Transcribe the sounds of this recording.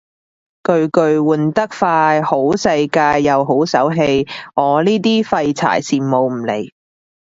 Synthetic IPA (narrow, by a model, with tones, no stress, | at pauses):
kɵ˧ɥkɵ˧ɥwuː˨˩nt̪ɐ˥k̚faː˧jho˨˥wsɐ˧jkaː˧jːɐ˨˧wɦo˨˥wsɐ˨˥wɦe˧jŋɔː˨˧liː˥t̪̬iː˥fɐ˧jt͡sʰa̰ː˨˩jsiː˨˩mːo˨˧wm̩˨˩lḛ˨˩j